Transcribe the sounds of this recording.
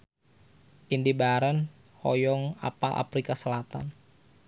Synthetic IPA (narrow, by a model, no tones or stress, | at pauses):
ʔindibaɾən | hɔjɔŋa̰palʔa̰fɾikasəlat̪a̰n